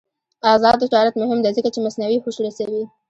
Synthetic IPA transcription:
ɑzɑd̪d͡ʒɑɾat̪mʊɦɪmd̪ɛzəkat͡ʃemasnawixoʃɽasawi

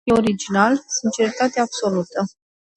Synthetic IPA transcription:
eoɾid͡ʒinalsint͡ʃe̞ɾit̪at̪eaːb̥so̞lut̪ə

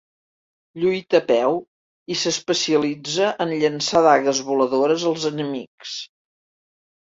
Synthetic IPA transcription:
ʎujt̪əpɛw | isəspəsiəlid͡zəʔənʎənsaðaɣəzβuləðoɾəzəlˠzənəmḭks

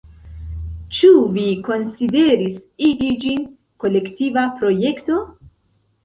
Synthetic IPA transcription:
t͡ʃuviko̞nside̞ɾisilid͡ʒin | ko̞le̞ktivapɾo̞je̞kto̞

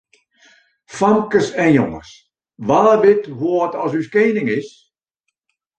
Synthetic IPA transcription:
famkəsɛnjoŋə̰s | ʋaːbɪthoətɔsyskeːnɪŋɪs

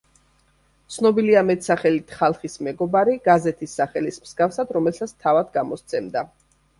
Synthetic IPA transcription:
t̪sʰnɔbiliamɛt̪saχɛlit̪ʰχalˠχismɛɡɔbaɾiɡazɛt̪ʰisːaχɛlismsɡafsad̪ɾɔmɛlˠsat̪sʰt̪ʰavad̪ɡamɔst̪sʰɛmd̪a

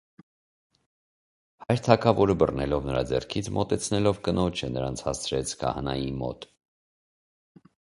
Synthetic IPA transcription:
hɑjɾt̪ʰɑkʰɑvɔɾəbərnɛlɔvnəɾɑd͡zɛ̰rkʰit͡sʰmɔt̪ɛt͡sʰnɛlɔvkənɔt͡ʃʰɛnəɾɑnt͡sʰhɑst͡sʰɾɛt͡sʰkʰɑ̰hɑnɑ̰jimɔ̰t̪

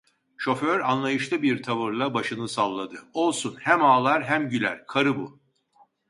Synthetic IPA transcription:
ʃo̞føɾanlˠajɯʃlˠɯbiɾt̪ʰavɯɾlˠabaʃɯnɯsalˠːad̪ɯo̞lˠsunhæmaːlˠaɾɦæmɟylʲæ̰ɾkʰaɾɯbu

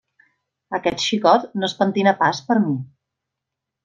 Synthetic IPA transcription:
əkɛt̪ʃikɔt̪nospənt̪inəpaspəɾmi

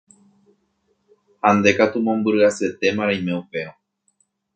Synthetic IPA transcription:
hãnd̪e̞kat̪umõ̞mbɨɾɨase̞t̪e̞mãɾaimeupe̞o

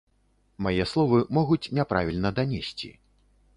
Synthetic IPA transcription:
majɛslˠɔvɨmɔɣut͡sʲnʲɛpɾavʲilʲnɐd̪anʲesʲt͡sʲḭ

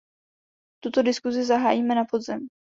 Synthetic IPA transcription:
t̪ut̪o̞dɪskuzɪzaɦaːjiːmɛnapo̞d̪zɛm

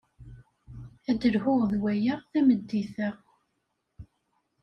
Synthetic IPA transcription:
æd̪əlhʊʁðwæjaʁθæməd̪ːiθəʁ

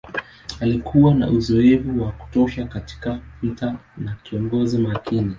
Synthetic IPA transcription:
alikʰuwana̰ʔuzɔɛvuwaku̥tɔʃakati̥kavitanakiɔŋɡɔzimakʰini

